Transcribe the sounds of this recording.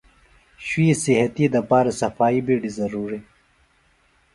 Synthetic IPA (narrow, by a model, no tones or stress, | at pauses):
ɕwiːsiɦɐt̪id̪ɐpaːɾasɐfaːibiɖizɐɾuːɾi